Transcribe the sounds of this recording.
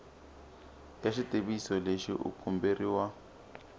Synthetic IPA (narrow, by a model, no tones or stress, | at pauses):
jaʃiteβisɔleʃḭʔṵkʰumberiwa